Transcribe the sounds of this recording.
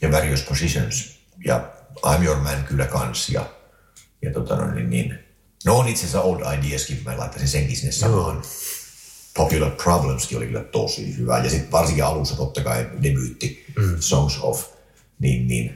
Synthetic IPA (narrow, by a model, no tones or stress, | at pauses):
jɑʋæriospʰosiso̰ns | jɑ̰ʔɑ̰imjormænkylːækɑnsjɑ̰ | jɑt̪ot̪ɑno̰inːḭnnḭːn | noːnit̪sesæoldɑidiæskimælɑ̰it̪ːɑsenseŋkisinːessɑmːoin | pʰopjulərpʰrɑblemskio̰lḭky̰lːˑæ̰t̪osḭːhyʋæ̰jɑsit̪ʋɑrsĩŋkiɑlusːɑt̪ot̪ːɑkɑinemyˑt̪ːisoŋso̰f | niːnːḭːn